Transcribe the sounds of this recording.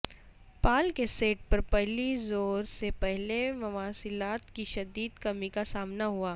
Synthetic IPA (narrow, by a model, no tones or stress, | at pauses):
paːlkeseːʈ̚pɐɾpɛɦlizoːɾsepɛɦlemɐʋaːsɪlaːt̪kiʃɐd̪iːd̪kɐmikasaːmnaɦuaː